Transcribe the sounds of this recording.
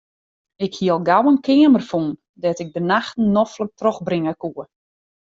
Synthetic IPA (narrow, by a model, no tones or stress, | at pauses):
ɪkhiəlˠɡawənkʰɪəmərfun | dɛtɪɡ̚bənaxtn̩ːɔflək̚trɔxbrɪŋəkuə